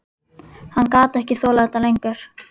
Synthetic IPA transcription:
hankaːt̪ɛhcɪθɔːlaɛt̪alejŋkʏɾ̥

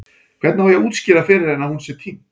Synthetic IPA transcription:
kʰv̥ɛɾt̪nahajauːt̪scɪːɾafɪɾɪɾɛnːaðhunsɛt̪ʰim

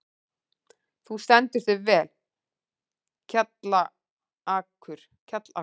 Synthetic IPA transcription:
θust̪ɛnt̪ʏɾ̥θʏvɛːl | cʰat̪la | aːkʰʏɾ̥ | cʰat̪la

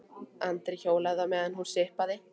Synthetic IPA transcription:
ant̪ɾɪçoːwlaɣðamɛːðanhu̥sɪhpaðɪ

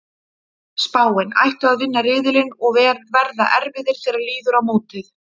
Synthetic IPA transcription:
spaːwɪna̰jht̪ʏaðvɪnːaɾɪːðɪlɪnɔɣvɛːɾvɛɾða̰ʔɛɾvɪðɪɾ̥θɪːɾaɾliːðʏɾawmoːwt̪ɪθ

